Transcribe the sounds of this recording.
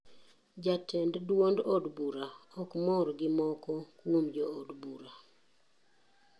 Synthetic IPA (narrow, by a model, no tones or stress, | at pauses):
d͡ʒatɛnddwondɔdbuɾaɔkmɔɾɡɪmɔkɔkomd͡ʒɔodbuɾa